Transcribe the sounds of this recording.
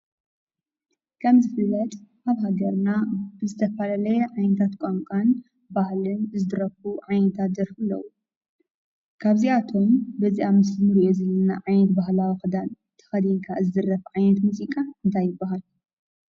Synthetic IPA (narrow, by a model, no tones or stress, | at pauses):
kʰɐmzɨfɨlːɐt̪ʼʔaβɦaɡɐɾnabɨzɨt̪ʰɐfɐlalɐjɛʕajnɐt̪ʰat̪kʷʼaŋkʼan | bahlɨnɨzɨd̪ɨɾɐfuʕajnɐt̪ʰat̪̚d̪ɐɾfɨlːɐ̰wu | kʰaβziʔat̪ʰo̞mbɐziʔamɨsɨmɨɾiʔozɐlɐna̰ʕajnɐt̪baɦlawixɨd̪an | t̪ʰɐ̥xɐd̪iŋkʰazɨd̪ɨrːɐfʕajnɐt̪muzikʼaɨnt̪ʰajːɪbːaɦal